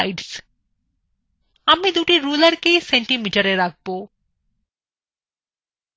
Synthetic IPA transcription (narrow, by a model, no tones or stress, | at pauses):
ɪɖs | ɐmːed̪uːʈiɾuːləɾkesɛ̃ɳʈimiʈəɾeɾak̚bo